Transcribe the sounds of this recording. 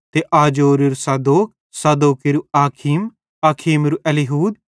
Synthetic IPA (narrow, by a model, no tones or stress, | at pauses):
t̪eʔaːd͡ʒoːɾiɾusɐd̪oːk̚ | sɐd̪oːkiɾuaːkʰim | aːkʰiːmɾuʔɛliɦuːd̪̚